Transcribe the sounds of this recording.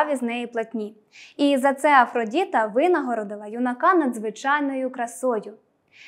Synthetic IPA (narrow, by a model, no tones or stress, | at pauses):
ʋʲiznɛjiplˠɐtʲnʲi | izɐt̪sɛɐfɾɔdʲit̪ɐʋɪnɐɦɔɾɔd̪ɪlˠɐjʊnɐkɑnɐd̪zʋɪt͡ʃɑjnɔjʊkɾɐsɔjʊ